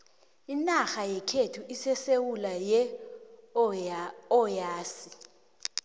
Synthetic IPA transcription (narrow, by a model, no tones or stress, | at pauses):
inaxajɛkʰetʰuʔisɛsewulajɛ | ɔjaːsi